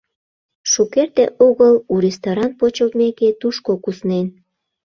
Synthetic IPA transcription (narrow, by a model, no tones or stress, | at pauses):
ʃukert̪eʔoɣəluɾest̪oɾɑnpot͡ɕəlt̪̚meket̪uʃkokusnen